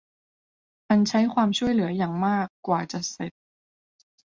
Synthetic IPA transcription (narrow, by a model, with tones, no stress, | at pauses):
ʔa˧nt͡ɕʰa˦˥jkʰwaː˧mt͡ɕʰu˥˩əjlɯ˩˦ɐjaː˨˩ŋmaː˥˩kːwaː˨˩t͡ɕa˨˩se˨˩t̪̚